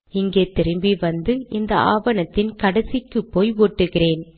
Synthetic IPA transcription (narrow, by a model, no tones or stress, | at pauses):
ɪŋɡeːt̪ɪɾɯmbiʋɐnd̪ɯɪnd̪ɐa̰ːʋɐnɐt̪ːɪnkɐɽɐsɪkːɯpːoːjoːʈːɯɣɪreːn